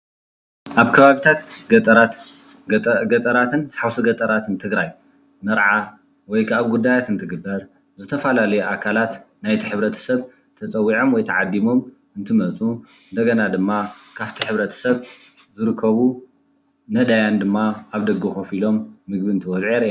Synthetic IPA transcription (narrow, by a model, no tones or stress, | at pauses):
ʔaβkʰɐβaβit̪ʰat̪ɡ̪ʼɾa | ɡɐt̪ʼɐɾat̪ʰɨnħawsɐɡɐt̪ʼɐɾat̪ʰɨnt̪ʰɨɡɾaj | mɐɾʕa | wɔjkʰaβɡud̪ːajat̪ɨnt̪ʰɨɡɨbːɐɾ | zɨt̪ʰɐfɐlalɐjuʔakʰalat̪ | najt̪ʰiħɨβɾɐt̪ʰɐ̥sɐβ | t̪ʰɐt͡sʼɐwːiʕo̞mwɔjt̪ʰɐʕad̪ːimo̞m | ɨnt̪ʰɨmɐt͡sʼu | ɨnd̪ɐɡɐnad̪ɨmːakʰaβt̪ʰiħɨβɾɐt̪ʰɐ̥sɐβ | zɨɾɨkʰːɐβu | nɐd̪ajand̪ɨmːaaβd̪ɐɡɨxofilo̞mːɨɡ̚biɨnt̪ʰɨwɔlʕeɾ